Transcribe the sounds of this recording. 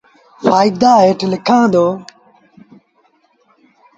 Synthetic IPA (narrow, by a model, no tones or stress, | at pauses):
faːid̪aːeːʈʰlɪkʰãːd̪oː